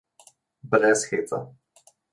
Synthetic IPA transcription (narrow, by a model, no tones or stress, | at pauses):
bɾɛsxeːt̪a̰